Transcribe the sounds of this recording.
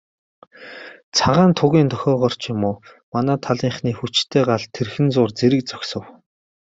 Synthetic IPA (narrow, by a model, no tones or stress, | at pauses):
t͡sʰaʁaːnt̪ʰʊɣʲiːnt̪ʰœxʲɔːʁɔr̥t͡ɕjʊmʊː | manæːt̪ʰaɮiːɴχniːxut͡ɕt̪ʰeːɢaɮt̪ʰːerxɘ̆nt͡sʊːrt͡seɾɘ̆k̚t͡sɔ̥ksə̆w